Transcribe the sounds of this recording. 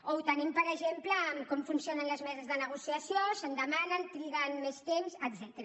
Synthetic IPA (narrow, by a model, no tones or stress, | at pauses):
out̪ənimpəɾəʒempləːmkɔmfunsijonənləzmɛzəzðənəɣusiəsjosənd̪əmanənt̪ɾiɣənmest̪emsəd̪zɛt̪əɾə